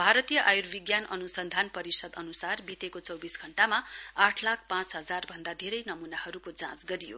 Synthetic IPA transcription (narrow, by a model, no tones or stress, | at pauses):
bʱaɾʌt̪ijʌʔajurbiɡjanʌnusʌnd̪ʱanpʌɾisʌd̪ʌnusarbit̪ekot͡sʌwbisɡʱʌɳʈamaaʈʰlak̚ʰpãt͡sɦʌd͡zarbʱʌnd̪ad̪ʱeɾʌjnʌmunahʌɾukod͡zãt͡sɡʌɾijo̰